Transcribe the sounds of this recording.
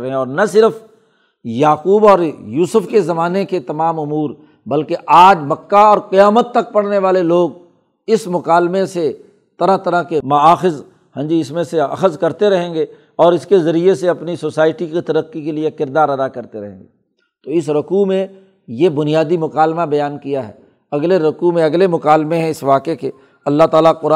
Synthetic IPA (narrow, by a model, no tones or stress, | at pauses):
ɦɛ̃ɔːɾnɐsɪɾəf | jaːquːbɔːɾjuːsʊfkezɐmaːneket̪ɐmaːmʊmuːɾ | bɐlkeʔaːd͡ʒmɐkːaɔːɾqɪjaːmət̪̚ːɐk̚pɐɽ̤neʋaːleloːɡ̚ | ɪsmʊqaːlmese | t̪ɐɾat̪ɐɾakemɐaːxɪz | hə̃ːɲd͡ʒiɪsmẽseɐ̰xəzkɐɾt̪eɾɐɦẽːɡe | ɔːɾɪskezɐɾieseɐpnisosaːɪʈikit̪ɐɾəqːikeliekɪɾd̪aːɾɐd̪akɐɾt̪eɾɐɦḛ̃ːŋɡḛ | t̪oːɪsɾɐkumẽ | jebʊnijaːd̪imʊqaːlmabɐjaːnkijaɦɛ̰ː | ɐɡleɾɐkumẽɐɡlemʊqaːlmeɦɛ̃ɪsʋaːqeke | ɐlːaɦt̪aːlaqʊɾ